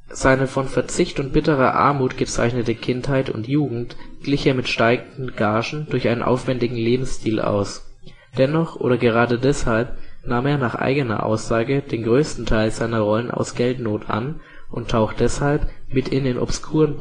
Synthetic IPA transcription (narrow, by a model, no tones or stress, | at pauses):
z̥aɪnəfɔnfɛɐt͡sɪçtʊnt̚b̥ɪtəʁɐ̰ʔa̰ɐmuːtɡ̥ət͡sa̰ɪçnətəkʰɪnthaɪtʊ̰ntjuːɡŋ̩tɡ̥lɪçeːɐmɪtʃtaɪɡŋ̩dn̩ɡ̥aːʒn̩dʊɐçʔaɪnə̰nʔa̰ʊfv̥ɛndɪɡŋ̩leːbm̩sʃtiːlʔa̰ʊs | d̥ɛnɔχʔo̰ːɾɐɡəʁaːdədɛshalp̚naːmeːɐnaːχʔa̰ɪɡənɐ̰ʔa̰ʊsz̥aːɡəd̥eːnɡʁøːstn̩tʰaɪlzaɪnɐʁɔlənʔa̰ʊsɡ̥ɛltnoːtʰʔa̰n | ʔʊntʰaʊxtd̥ɛshalpmɪtɪnɪːnʔɔ̰pskʰuːʁən